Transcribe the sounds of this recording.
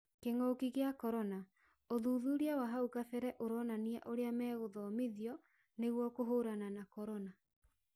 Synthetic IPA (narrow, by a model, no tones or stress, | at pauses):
keŋɔkiɣeakɔɾɔna | oðuːðuɾiawaɦaukaθɛɾɛʔoɾɔnaniaʔoɾeamɛːɣoðɔmiðiɔ | neɣwɔkoɦoɾananakɔɾɔna